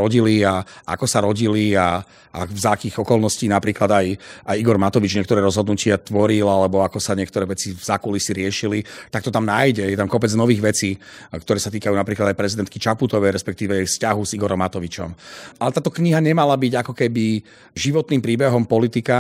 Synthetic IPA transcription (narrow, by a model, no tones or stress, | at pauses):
ɾɔɟiliaʔa̰kɔsaɾɔɟilia | a̰vzakiːɣɔkɔlnɔsciːnapɾiːklad̪ajajiɡɔɾmat̪ɔʋid͡ʒɲɪɛkt̪ɔɾɛːɾɔzɦɔd̪nucɪat̪ʋɔɾilalɛbɔakɔsaɲɛkt̪ɔɾɛːʋɛt͡sivz̥akulisiɾɪɛʃilit̪ak̚t̪ɔt̪amnaːjɟɛjɛt̪amkɔpɛd͡znɔʋiːɣʋɛt͡siːkt̪ɔɾɛːsat̪iːkajuːnapɾiːklad̪ajpɾɛzid̪ɛnt̪kit͡ʃaput̪ɔʋɛjɾɛspɛk̚t̪iːʋɛfscaɦuziɡɔɾɔmːat̪ɔʋit͡ʃɔ̰mʔalɛt̪aːt̪ɔkɲiɦaɲɛmalabiɟakɔkɛbi | ʒiʋɔt̪niːmpɾiːbɛɦɔmpɔlit̪ika